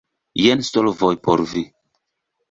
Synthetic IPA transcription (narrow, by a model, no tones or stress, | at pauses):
jɛnst̪ɔlvɔjpɔɾvi